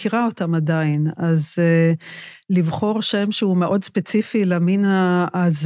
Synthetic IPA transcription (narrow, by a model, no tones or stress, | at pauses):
kiʁaotamadainaz | livχo̞ʁʃe̞mʃeume̞ʔo̞dspet͡sifileminaːz